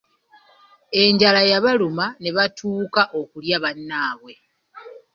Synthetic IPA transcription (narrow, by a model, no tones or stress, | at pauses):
e̞ɲɟalajaβalumane̞βatʰuːkaʔo̞kuljaβanːaːβwe̞